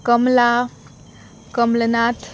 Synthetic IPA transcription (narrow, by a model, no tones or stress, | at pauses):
kəmla | kəmlənat̪